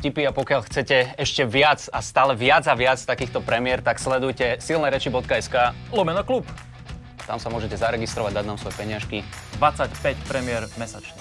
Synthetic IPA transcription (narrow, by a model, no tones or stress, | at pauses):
cipiapɔkɪaʎxt͡sɛcɛɛʃcɛʋɪat͡sast̪aːlɛʋɪad͡zaʋɪat͡st̪akiːxt̪ɔpɾɛmɪɛɾt̪akslɛd̪ujcɛsilnɛɾɛt͡ʃibɔt̪kaɛskaːlɔmɛnɔklup | at̪amsamʊɔʒɛcɛzaɾɛɡist̪ɾɔʋaɟd̪ad̪naːmsʋɔjɛpɛɲɪaʃkid̪ʋat͡sacpɛcpɾɛmɪɛɾmɛsat͡ʃni